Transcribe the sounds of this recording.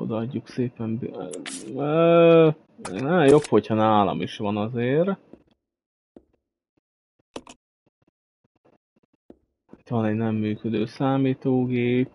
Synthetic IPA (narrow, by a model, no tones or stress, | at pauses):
o̞̰d̪ɒɒɟːukseːpɛmb | nɛmjo̞pho̞chɒnaːlɒ̰miʃʋɒnɒzeːr | it̪ʋɒnɛɟnɛmːyːkød̪øːsaːmiːt̪oːɡeːp̚